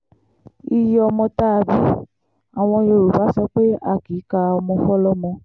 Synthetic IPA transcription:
i˧jɔ˧mɔ̃˧ta˦˧bi˦ | a˨w̃ɔ̃˧jo˧˨ɾu˨ba˨˦sɔ˦k͡pe˦a˦˨ki˨˦ka˧ɔ˧mɔ̃˧fɔ˦lɔ˦mɔ̃˧

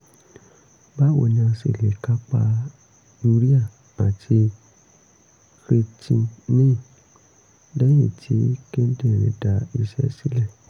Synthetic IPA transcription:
ba˦wo̰˧˨nĩ˧ã˧sḛ˨le˨ka˦k͡pa̰˧ | ju˧ɾi˦a˦˨ | a˨tʰi˧ | kɾe˧tʰĩ˧mĩ˦˨ | dɛ˦jĩ˦˨tʰi˨˦ki˦n̩˦de˦˨ɾ̃ḭ̃˨˦da˨˦i˧ʃɛ̰˦si˦lɛ˦˨

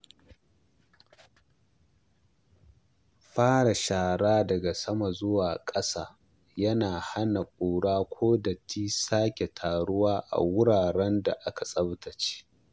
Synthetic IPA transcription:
ɸaː˦ɽa˨ʃaː˨ɽaː˦dɐ˨ɡa˨sɐ˦ma˨zʊ˦waː˨kʼɐ˦saː˦ | jɐ˦naː˨ha˦na˨kʷʼuː˨ɽaː˦kʷʰoː˦da˨tʰiː˦saː˦kʲe˨tʰaː˨ɽʊ˦waː˦ʔa̰˨wʊ˦ɽaː˨ɽɛ˦nda˨ʔa˦ka˨sʼɐ˦btɐ˨t͡ʃe̥˦

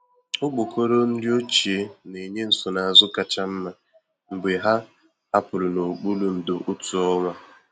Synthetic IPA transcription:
ʊ˦ɡ͡bo˨ko˦ɾo˦n̩˦dɪ˦o˦t͡ʃi˨e˦ne˨ɲe˦n̩˨sʊ˨na˨a˨zʊ˦ka˨t͡ʃa˦m̩˦ma˦ | m̩˨ɡ͡be˨ɦa˦ | a˦pʊ˨lʊ˨no˨ɡ͡bu˦lu˨n̩˨do˨ʔʊ˦tʊ˨ɔ˦ŋʷa˦

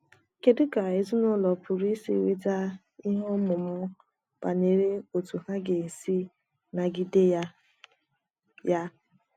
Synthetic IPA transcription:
ke˨dɪ˦ka˨e˨zu˦nʊ˦lɔ˨pʊ˨ɾi˦sḭ˦˨wḛ˦ta˦ | i˦ɦo˦mʊ˨mʊ˦ | pa˨ɲe˨ɾe˦o˨tu˨ɦa˦ɡe˨n̩˨si˦ | na˨ɡi˦de˦ja˦ | ja˦

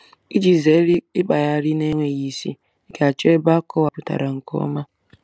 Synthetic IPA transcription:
i˦d͡ʒi˨ze˨˦ɾi˦ɪ˦k͡pa˨ja˦ɾɪ˦ne˦ŋʷe˨ɣi˨sḭ˦ | ke˨a˨t͡ʃe˦ba˦kɔ˦wa˨pʊ˨ta̰˨ɾa˨ŋ̩˨kɔ̰˦ma˦

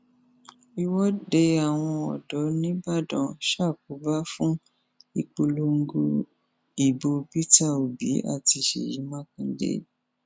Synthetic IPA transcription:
i˧wɔ˦de˧a˨w̃ɔ̃˧ɔ˨dɔ˨˦nĩ˦ba˦˨dɔ̃˨˧˨ʃa˦˨k̚o˨˦ba˦fũ˦ | i˧k͡po˧lo˧ŋ̩˦ɡo˧ | i˨bo˧bi˦ta˦˨o˨bi˨˦a̰˦˨ti˧ʃḛ˨ji˨˦mã˦kĩ˧˦dḛ˦

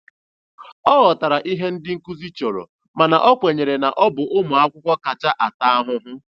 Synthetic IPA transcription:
ɔ˦ɣɔ˨ta˨ɾa˨ʔi˦ɦe˦n̩˦dɪ˦ŋ̩˦ku˦zi˦t͡ʃɔ˨ɾɔ̰˨ | ma˨na˨ʔɔ˦kʷe˨ɲe˨ɾe˨na˨ʔɔ˦bʊ˨ʔʊ˦mʊ˨a˦kʷʊ˦kʷɔ˦ka˨t͡ʃa˦ʔa˨ta˦a˦ɦʊ˦ɦʊ˦

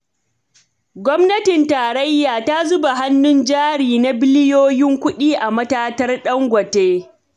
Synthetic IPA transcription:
ɡʷɔ˦mnɐ˦tɪ˨ntaː˨ɾɐ˦jːaː˨ta˦zʊ˦ba˨ɦa˦nːʊ˦nd͡ʒaː˦ɽiː˨na˨bɪ˦lɪ˦joː˦jɪ˦ŋkʷʊ˦ɗiː˦ʔa˨mɐ˦taː˦tɐ˦rɗɐ˦ŋɡʷɐ˨teː˦

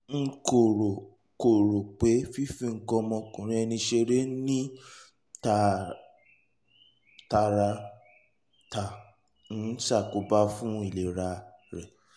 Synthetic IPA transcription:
ŋ̩˦˧ko˨ɾo˨ | ko˨ɾo˨k͡pe˨˦fi˦fĩ˧˦ŋ̩˨˦kɔ˧mɔ̃˧kũ˨ɾ̃ĩ˦ɛ˧nĩ˧ʃe˧ɾe˦nĩ˦ | ta˨ | ta˧ɾa˧ | ta˨ | n̩˨˦ʃa˦˨ko˨˦ba˦fũ˦i˦˨le˨ɾa˧ɾɛ˨

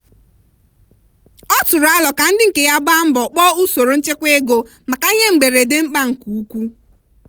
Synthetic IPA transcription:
ɔ˦tʊ˨ɾa˦lɔ˨ka˨n̩˦dɪ˦ŋ̩˨ke˨ja˦ba˦m̩˦bɔ˨k͡pɔ˦u˦so˨ɾo˨n̩˦t͡ʃe˦kʷe˦ɡo˨ | ma˨ka˨ɲe˦ŋ͡m̩˨ɡ͡be˨ɾe˨dɪ˦m̩˦k͡pa˦ŋ̩˨ku˨u˦kʷu˦

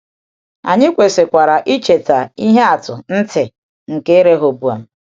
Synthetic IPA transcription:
a̰˨ɲɪ˦kʷe˨se˨kʷa˨ɾa˨ʔi˦t͡ʃe˨ta˨i˦ɦe˦a˨tʊ˨n̩˦tɪ˨ | ŋ̩˨ke˦e˦ɾe˦ɦo˨bu˨a̰˨

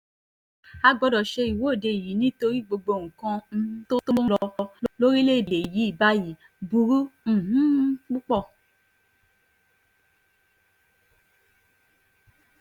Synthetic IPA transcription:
a˧ɡ͡bɔ˧dɔ˨ʃe˧i˨wo˨˦˨de˧˨i˨ji˨˦nĩ˦to˧ɾi˦ɡ͡bo˧ɡ͡bo˧˨ŋ̩˨kã˧˦to˦to˦lɔ˧lo˦ɾi˦le˦˨de˨ji˨˦i˦˨ba˦ji˨˦ | bu˧ɾu˦n̩˦˨ɦũ˨˦k͡pu˦k͡pɔ˦˨

